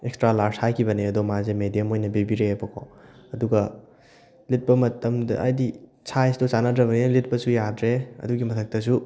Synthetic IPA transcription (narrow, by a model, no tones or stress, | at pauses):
ekstɾalaɾshajkʰibɐniɐdomazemedijɐmojnɐbibiɾeːbʰokʰo̰ɐduɡɐ | lit̚pɐmɐtʰɐmdɐʔajdi | sʰajsdot͡ʃanadɾɐβɐnilit̚pɐsujadɾeɐ̰duɡimɐtʰɐk̚tɐs̬u